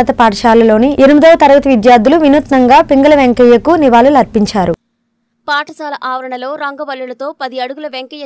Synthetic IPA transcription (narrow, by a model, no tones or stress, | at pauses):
ɐt̪ɐpaːʈɐʃaːlɐlo̞ːniʔenumid̪ɐʋɐt̪ɐɾɐɡɐt̪ɐʋid̪jaːɾd̪ːuluʋinut̪nɐŋɡaːpiŋɡɐlɐʋeŋkɛjɐkuniʋaːlulɐɾpiɲt͡ʃaːɾu | paːʈʰɐsaːlɐʔaːʋɐɾɐɳɐlo̞ːɾɐŋɡɐbɐlːulɐt̪o̞ːpɐd̪iɐɽuɡulɐʋeŋkɐjɐ